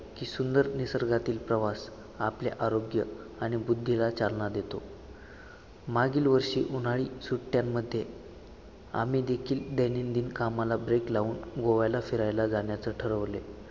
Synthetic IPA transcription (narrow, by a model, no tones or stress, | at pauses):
kiːsund̪əɾnisəɾɡat̪iːlpɾəʋas | apleʔaɾoɡjə | aɽ̃ibud̪ʱːilat͡salɳad̪et̪o | maɡiːlʋəɾɕḭːʔunaɭiːsuʈʈjamːəd̪ʱːje | a̰m̤iːd̪ekʰiːld̪enind̪iːnkamalabɾeklauːnɡoʋajlafiɾajlad͡zaɳ̃jat͡səʈʰəɾəʋle